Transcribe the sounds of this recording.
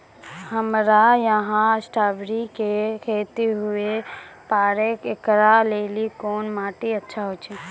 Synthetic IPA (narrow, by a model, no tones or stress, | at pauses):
həmɾajəɦãsʈaːbɾikekʰeːt̪eɦʊepaːɾekekɾaleːlikoːnmaːʈiətːʃʰaɦot͡ʃʰe